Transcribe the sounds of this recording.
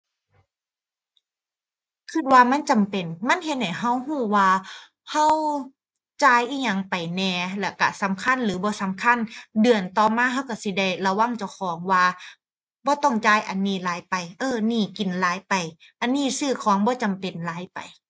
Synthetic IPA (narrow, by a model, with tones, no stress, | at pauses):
kʰɯ˧˥t̪̚waː˧ma˧˥˨nt͡ɕa˨mpe˨˩nma˧˥˨nɦe˧t̪̚da˨˩jɦa˧˥˨wɦuː˧˥˩waː˧ | ha˧˥˨w | t͡ɕaː˧˩jʔiː˧˩ɲa˧˩ŋpa˨˩jnɛː˧lɛ˧˩ka˧˩sa˨˦mkʰa˧˥˨nlɯː˨˦bɔː˧˦sa˨˦mkʰa˧˥˨ndɯ˨˩ənt̪ɔː˧maː˧˥˨ɦa˧˥˨wka˧˩si˧˦da˧˩jla˧wa˧˥˨ŋt͡ɕa˧˩wkʰɔː˨˦ŋwaː˧ | bɔː˧˦t̪ɔ˧˩ŋt͡ɕaː˧˩˨jʔa˨˩nːiː˧˩˨laː˨˦jpa˨˩jʔɤː˧˩niː˧˥˩ki˨˩nlaː˨˦jpa˨˩j | ʔa˨nːiː˧˩˨sɯː˧˩kʰɔː˨˦ŋbɔː˧˦t͡ɕa˨mpe˨nlaː˨˦jpa̰˨j